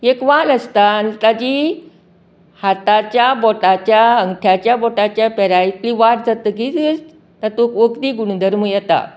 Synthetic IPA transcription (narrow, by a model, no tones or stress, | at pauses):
ekʋaləst̪ant̪ad͡ʑiː | hat̪at͡ɕjaboʈat͡ɕjaəŋɡʈʰjat͡ɕjabɔʈat͡ɕjapɛɾajit̪liːʋaɾd͡zat̪əːkid͡zəs | t̪at̪okʋəkt̪iːɡuɳd̪ʱəɾmujat̪a̰